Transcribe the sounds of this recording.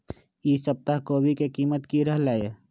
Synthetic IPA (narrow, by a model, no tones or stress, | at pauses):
isəb̚t̪aɦkoːbʱikekimət̪kiɾəɦlaje